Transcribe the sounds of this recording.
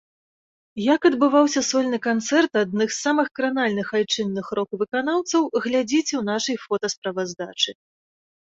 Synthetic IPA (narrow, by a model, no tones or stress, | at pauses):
jɐkɐd̪bɨvawsʲɐsɔlʲnɨkant̪sɛrt̪ad̪̚nɨxsamɨxkɾanalʲnɨxajt͡ʂɨnːɨxɾɔkvɨkanawt̪sɐwɣlʲad͡zʲit͡sʲɛwnaʂɐjfɔt̪ɐspɾɐvazd̪at͡ʂɨ